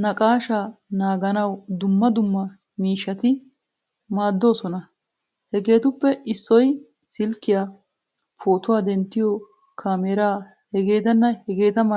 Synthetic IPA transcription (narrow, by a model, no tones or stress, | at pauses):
nɐkʼaːʃaːnaːɡɐnɐwd̪ʊmːɐd̪ʊmːɐ | miːʃːɐt̪ɪ | maːd̪ːo̞ːsɔnɐ | hɛɡe̞ːt̪ʊpːɛɪsːɔj | sɪlkːɪjaː | pʰoːt̪ʊwaːd̪ɛnt̪ːɪjɔ | kʰaːmeːɾaː | hɛɡe̞ːt̪ɐnːɐhɛɡe̞ːt̪ɐmɐ